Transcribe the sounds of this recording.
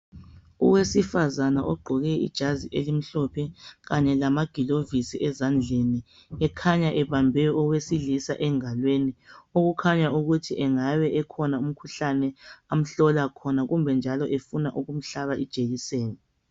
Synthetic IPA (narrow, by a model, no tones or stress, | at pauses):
ṵwesifazanaʔɔɡ͡ǃʱɔɣɛḭd̥ʒ̥ʱaziʔelim̩ɬɔpʰɛɣaɲɛlamaɡ̥ʱilovisiɛzand͡ɮʱeni | ɛkʰaɲaʔɛβambʱɛɔwesilisaʔɛŋalwenioɣukʰaɲauɣutʰiʔɛŋaβɛʔɛkʰɔnaum̩kʰuɬanɛam̩ɬɔlakʰɔnaɣumbʱɛnd͡ʒʱalɔʔefunaʔuɣum̩ɬaβaʔid̥ʒ̥ʱeɣiseːnɛ